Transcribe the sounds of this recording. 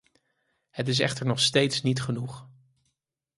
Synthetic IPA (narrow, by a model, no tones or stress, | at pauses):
hətɪs̬ɛ̰χtəɹnɔχstejtsnitχənuχ